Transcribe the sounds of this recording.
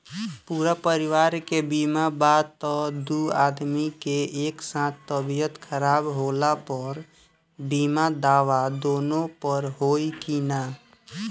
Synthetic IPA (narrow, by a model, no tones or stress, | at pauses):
puːɾapəɾɪwaːɾkebiːmabaːd̪t̪ɔd̪uaːd̪mikeeːksãːt̪ʰt̪ːəbijət̪kʰəɾaːbɦoːlapəɾ | biːmad̪aːʋad̪oːnõpəɾɦoːikinaː